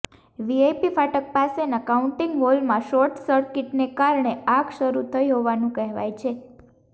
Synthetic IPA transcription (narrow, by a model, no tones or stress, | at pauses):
ʋiejpifaʈək̚pasenakauɳʈĩŋɡɦolmãʃɔɾʈsəɾkɪʈnekaɾɳeaɡʃəɾut̪ʰəjɦoʋanũkɛɦʋa̰jt͡ʃʰe